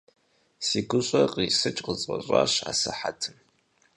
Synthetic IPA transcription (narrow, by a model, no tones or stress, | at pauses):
siːɡʷʊɕʼɐqʼisɨt͡ʃʼqət͡sʼɐɕʼa̰ːɕa̰ːsɨħatʰɨm